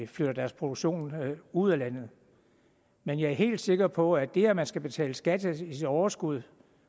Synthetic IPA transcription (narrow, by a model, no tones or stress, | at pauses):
fløɾ̥ɐd̥æɐspʰʁo̝doɡ̥ɕo̝̰ːnuð̰ˠælæn̰ð̩ˠ | menjɑ̈æɐɦe̝̰ːld̥se̝ɡ̥ɐpʰɒ̽æd̥e̝æɐmænsɡ̥æb̥e̝t͡sʰɛ̰ːləsɡ̥æd̥əisid̥ɒʊɐsɡ̥uð̞ˠ